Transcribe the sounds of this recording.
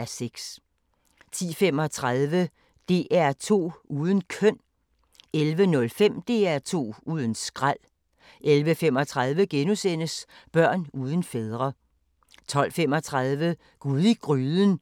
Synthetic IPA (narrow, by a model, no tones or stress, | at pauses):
æɐseɡ̥s | t͡sʰḭːfem̰ɒ̽t͡sʰʁaðˠʋə | d̥e̝̰ːʔæɐt͡sʰo̝̰ːuːð̞ˠən̩kʰœn̰ | elʋənɔ̽lfem̰d̥e̝̰ːæɐt͡sʰo̝̰ːuːð̞ˠən̩sɡ̥ʁal̰ | elʋəfemɒ̽t͡sʰʁað̞ˠʋəɡ̥enusen̰əsb̥ɶɐ̰nuːð̞ˠən̩feð̞ˠʁɐ | t͡sʰɒ̽l̰fem̰ɒt͡sʰʁaðˠʋə | ɡ̥uðˠiɡ̥ʁyːðˠən̩